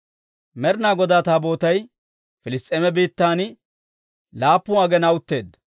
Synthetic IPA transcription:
mɛɾnaːɡɔd̪aːt̪aːboːt̪ɐj | fɪlɪst̪ʼːeːmɛbiːt̪ːaːnɪ | laːpːʊɐɡɛnɐwʊt̪ːe̞ːd̪

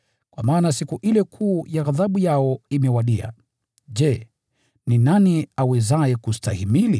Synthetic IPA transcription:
kwamaːnasikuʔilɛkʰuːjaɣaðaɓujaɔimɛwaɗia̰ | ʄɛ | ninaniawɛzajɛkustahimili

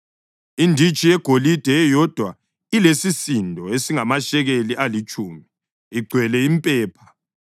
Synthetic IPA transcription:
indʱit͡ʃʼijɛɡ̥ʱolid̥ʱɛjɔd̥ʱwa | ilesisindʱɔesiŋamaʃɛɣeliʔalit͡ʃʼuːmi | iɡ͡ǀʱwɛlɛimpʼɛːpʰḁ

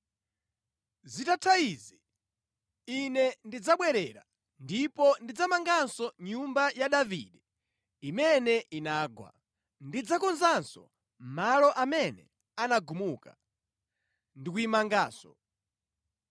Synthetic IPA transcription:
zitatʰaizi | inɛndid͡zaɓwɛɾɛɾa | ndipɔndid͡zamaŋɡansɔɲumbajaɗavḭɗɛ | imɛnɛʔinaːɡwa̰ | ndid͡zakɔnzansɔ̰ | malɔʔamɛnɛ̰ | anaɡumuka | ndikujimaŋɡaːsɔ

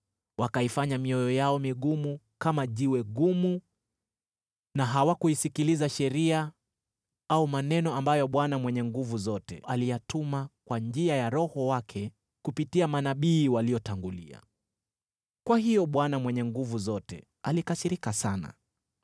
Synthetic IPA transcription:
wakaifaɲamiɔjɔjaɔmiɠumu | kamaʄiwɛɠumu | naɦawakuisikilizaʃɛɾia | aumanɛnɔambajɔɓwanamwɛɲɛŋɡuvuzɔtɛ̰ʔalijatumakwand͡ʒiajaɾɔhɔwakʰɛ | kupitiamanaɓiːwalijɔtaŋɡulia̰ | kwahijɔɓwanamwɛɲɛŋɡuvuzɔtɛ̰ | alikasiɾikasana̰

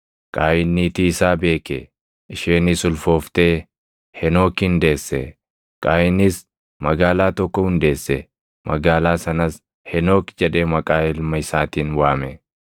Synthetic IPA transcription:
kʼaːjɪnːit̪iːɪsaːbe̞ːke | ʔɪʃeːnɪsʊlfoːft̪eː | hɛno̞ːkɪnd̪eːsːɛ | kʼaːjɪnɪs | mɐɡaːlaːt̪ɔkːɔhʊnd̪e̞ːsːɛ | mʔɐɡaːlaːsɐnɐs | hɛno̞ːkd͡ʒɛᶑe̞ːmɐkʼaːɪlmɐɪsaːt̪iːnwaːmɛ

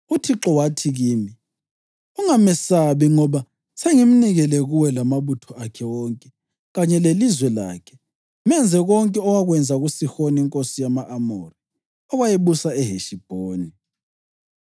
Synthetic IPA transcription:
utʰiǁɔwatʰiɣiːmi | uŋamɛsaβiŋɔβa | seŋim̩niɣɛlɛɣuwɛlamaβutʰɔakʰɛwɔŋkʼɛ | ɣaɲɛlelizwɛla̰ːkʰɛ̥ | mɛnd͡zʱɛɣɔŋkʼɛɔwaɣwɛnd͡zʱaɣusixoniŋkʼosijamaʔamɔri | ɔɣajeβusaɛɦeʃib̥ʱoːni

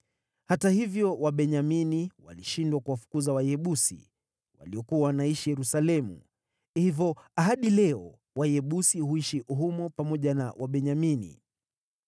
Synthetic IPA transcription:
hatahivjɔwaɓɛɲaminiwa̰liʃindwakuwafu̥kuzawajɛɓusḭ | wa̰liɔkuawanaiʃijɛɾusalɛmṵ | hivɔaɦaɗilɛɔ | wajɛɓusihuiʃiʔuɦumɔpamɔʄana̰wʔaɓɛɲaminḭ

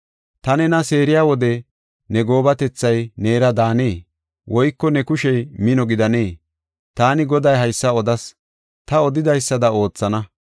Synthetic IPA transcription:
t̪ɐnɛnɐse̞ːɾɪjaːwɔd̪ɛ | nɛɡo̞ːbɐt̪ɛt͡sːɐjne̞ːɾɐd̪aːneː | wʔɔjkːɔnɛkʊʃɛjmɪnɔɡɪd̪ɐne̞ː | t̪aːnɪɡɔd̪ɐjɦɐjsːɐɔd̪ɐs | t̪ɐɔd̪ɪd̪ɐjsːɐd̪ɐo̞ːt͡sːɐnɐ

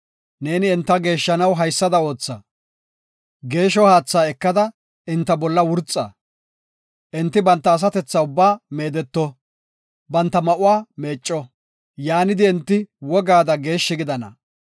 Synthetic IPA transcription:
ne̞ːnɪɪnt̪ːɐɡe̞ːʃːɐnɐwɦɐjsːɐd̪ɐo̞ːt͡sːɐ | ɡe̞ːʃɔhaːt͡sːaːɛkːɐd̪ɐ | ʔɪnt̪ːɐbɔlːɐwʊɾt͡sʼːɐ̰ | ʔɪnt̪ːɪbɐnt̪ːɐːs̬ɐt̪ɛt͡sːaʊbːaːme̞ːd̪ɛt̪ːɔ | bɐnt̪ːɐmɐʔʊwaːmeːt͡ʃʼːɔ | jaːnɪd̪ɪɛnt̪ːɪwɔɡaːd̪ɐɡe̞ːʃːɪɡɪd̪ɐnɐ̰

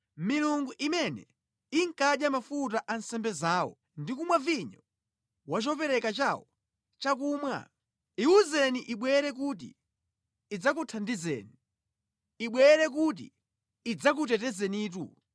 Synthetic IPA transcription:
miluŋɡuʔimɛnɛ̰ | iŋ̩kaɗjamafut̬aʔansɛmbɛzaːwɔ̰ | ndikumwaviɲɔ | wat͡ʃɔpɛɾɛkat͡ʃawɔ | t͡ʃak̬uːmwa̰ | iuzɛniʔiɓwɛɾɛk̬ut̬ḭː | d͡zak̬utʰandizɛ̰ni | iɓwɛɾɛk̬ut̬ḭ | id͡zak̬ut̬ɛtɛzɛniːt̬ṵ

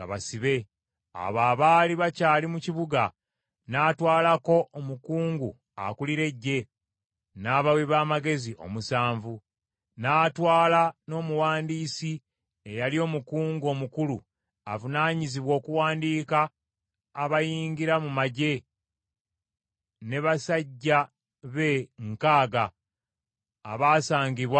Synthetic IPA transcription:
a̰βa̰siβe̞ | a̰βaːβaːliβacaːlimuciβuɡa | naːtwaːlako̞omukuːŋɡu | a̰kuliɾe̞ɟːe̞ | naːβaweβaːmaɡe̞ziʔo̞̰musaːɱvu | naːtwaːlano̞ːmuwaːndiːsi | ejalio̞ːmukuːŋɡo̞ːmukulu | a̰vunaːɲiziβwo̞ːkuwaːndiːkaː | βajiːŋɡiɾamumaɟe̞ | ne̞βasaɟːa | βe̞ŋkaːɡa | βaːsaːɲɡiβwa

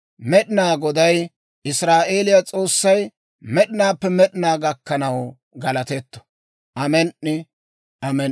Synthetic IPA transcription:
mɛɗɪnaːɡɔd̪ɐj | ʔɪsɾaːʔe̞ːlɪjat͡sʼo̞ːsːɐj | mɛɗɪnaːpːɛmɛɗɪnaːɡɐkːɐnɐw | ɡɐlɐt̪ɛt̪ːɔ̥ | ʔɐmɛnʔɪ | ʔɐmɛn

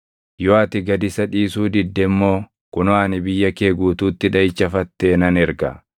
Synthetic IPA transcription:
jɔɐt̪ɪɡɐd̪ɪsɐᶑiːsuːd̪ɪd̪ːɛmːo̞ː | kʊnʊaːnɪbɪjːɐkeːɡuːt̪uːt̪ːɪᶑɐɪt͡ʃːɐfɐt̪ːeːnɐnɛɾɡɐ̰

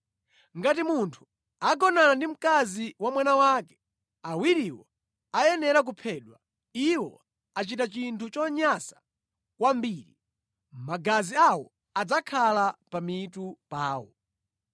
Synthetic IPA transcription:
ŋɡatimuntʰu̥ | aɡɔnanandim̩kaziwamwanawakɛ̥ | awiɾiwɔ̰ | ajɛnɛɾak̬upʰɛːɗwa | iwɔ̰ | at͡ʃitat͡ʃintʰut͡ʃɔɲasḁ | kwambiːɾi | maɡaziawɔ | ad͡zakʰalapamitupaːwɔ̰

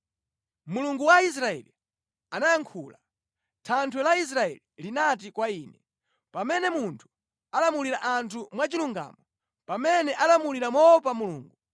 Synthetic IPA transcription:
muluŋɡuwais̬ɾaɛ̰li | anajaŋkʰuːla | tʰantʰwɛlais̬ɾaɛ̰lilinat̬ikwaiːnɛ | pamɛnɛmuntʰu̥ | alamuliɾaʔantʰumwat͡ʃiluŋɡa̰mɔ | pamɛnɛʔalamuliɾamɔpamuluːŋɡu

